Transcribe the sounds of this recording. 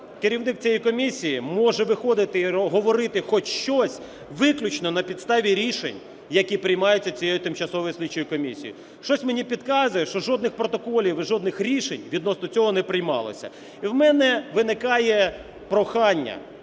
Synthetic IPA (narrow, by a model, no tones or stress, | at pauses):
kɪɾʲiwnɪk̚t͡sʲijɛjkɔmʲisʲijimɔʒɛʋɪxɔd̪ɪt̪ɪiɦɔʋɔɾɪt̪ɪxɔt͡ʃʃt͡ʃɔsʲ | ʋɪklʲʊt͡ʃnɔnɐpʲid̪st̪ɑʋʲiɾʲiʃḛnʲ | jɐkʲipɾɪjmɑjʊt͡sʲːɐt͡sʲijejit̪ɪmt͡ʃɐsɔʋɔjisʲlʲit͡ʃːɔjikɔmʲisʲijʊ | ʃt͡ʃɔsʲmenʲipʲid̪kɑzʊjɛʃt͡ʃɔʒɔd̪nɪxpɾɔt̪ɔkɔlʲiʋɪʒɔd̪nɪxɾʲiʃenʲʋʲid̪nɔsnɔt͡sʲɔɦɔnɛpɾɪjmɑ̰lˠɔ̰sʲɐ̰ | iwmɛnɛʋɪnɪkɑjɛ | pɾɔxɑnʲːɐ̰